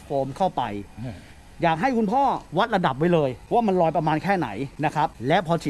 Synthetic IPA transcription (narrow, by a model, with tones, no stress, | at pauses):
kʰoː˧mkʰa˥˩wpa˧j | jaː˨˩k̚ɦa˥˩jkʰu˧npʰɔː˥˩wa˦˥t̪̚ɾa˧da˨˩p̬̚wa˦˥jlɤː˧jwaː˥˩ma˧nlɔː˧jpɾa˧maː˧nkʰɛː˥˩na̰˩˦jna˦˥kʰɾa˦˥p̚lɛ˦˥pʰɔː˧t͡ɕʰi˨˩